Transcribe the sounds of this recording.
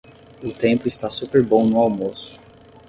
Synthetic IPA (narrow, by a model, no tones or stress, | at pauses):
ʊt̪ẽpʊɪst̪asupeɾbõw̃nʊawmosʊ̥